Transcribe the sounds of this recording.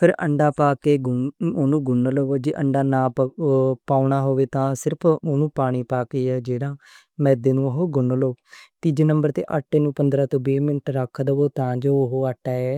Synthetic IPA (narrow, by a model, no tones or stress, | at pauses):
pʰɪɾə̰ɳɖaːpaːkeːɡoːnũːɡʊnloːd͡ʒiːʔəɳɖaːnãː | paːɳaːɦoːʋeːt̪ãːsɪɾəpʰoːnũːpaːɽ̃iːpaːkeːɛːd͡ʒeːɽãː | mɛːd̪eːnũːoɦoːɡʊɳloːt̪id͡ʒeːnəmbəɾt̪ḛːʔəʈːeːnũːpənd̪ɾaːt̪õːbeːmɪnʈɾəkʰːd̪əoːt̪ãːd͡ʒoːʊɦoːəʈːaːɛː